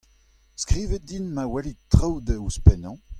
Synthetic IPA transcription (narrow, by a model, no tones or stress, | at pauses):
skχiːvɛt̪̚d̪inmawɛlitχawd̪əuspɛnɑ̃